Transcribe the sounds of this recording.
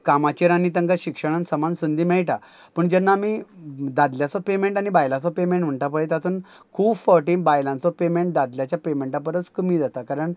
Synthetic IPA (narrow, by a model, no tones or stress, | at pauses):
kamat͡ɕiɾañit̪ə̃ŋɡaɕikʂəɽ̃ansəmansənd̪imɛɭʈa | pəɳd͡ʑɛnːaːmid̪ad̪ljat͡sɔpemeɳʈaɽ̃ibajlãt͡sɔpemẽɳʈm̤əɳʈap̬əɭet̪at̪uːn | kʰuːbfəɾʈiːnbajlãnt͡sɔpemẽɳʈ̚d̪ad̪ljat͡ɕjapemẽɳʈãpəɾət͡skəmid͡z̪at̪akaɾəɳ